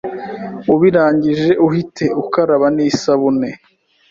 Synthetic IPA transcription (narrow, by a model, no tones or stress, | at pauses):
uβiɾaːɲɟiʒe̞ʔuhitʰe̞ukaɾaβaniːsaβune